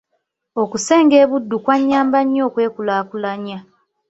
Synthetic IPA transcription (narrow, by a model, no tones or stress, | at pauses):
o̞kuse̞ːŋɡe̞ːβudːukwaɲːaːmbaɲːo̞ːkwe̞ːkulaːkulaɲa